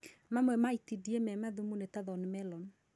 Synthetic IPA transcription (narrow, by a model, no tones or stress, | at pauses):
mamwɛmaitidiɛmɛmaðumunetaðɔnmɛlɔn